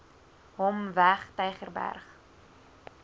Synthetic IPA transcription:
ɦɔmvæχtɛjχərbæ̰rχ

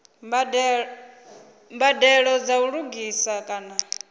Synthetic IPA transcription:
bd | mbadɛɺɔd͡zauɺuɡisakʼaːna

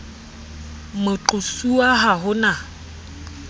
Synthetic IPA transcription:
mʊt͡ɬʊsuaɦaɦʊna

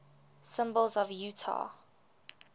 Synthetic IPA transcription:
sɪ̃mbəlˠzɔvjuːtʰa̰

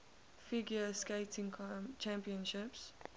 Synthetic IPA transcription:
fɪɡjəskeɪtɪ̃ŋt͡ʃæ̃mpiə̃nʃɪps

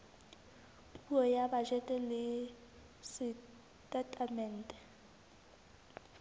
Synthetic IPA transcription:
pʼuɔjabaʒɛtʼɛlɪ | sɪ | tʼɛtʼamɛn̩tʼɛ̥

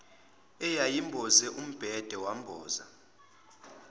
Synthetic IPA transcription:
ɛjajimbʱɔzɛʔum̩b̥ʱɛd̥ʱɛwam̩bʱɔːza̰

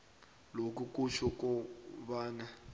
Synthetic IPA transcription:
lok̬uk̬ʼuʃɔkɔβaːna

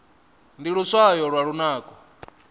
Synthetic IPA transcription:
ndiɺusajɔɺwaɺunaːkʼɔ

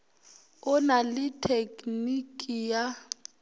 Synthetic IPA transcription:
ʊnalɪtʰekʼnikʼija

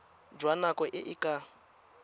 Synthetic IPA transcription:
d͡ʒwanakʼɔʔɪʔɪkʼa

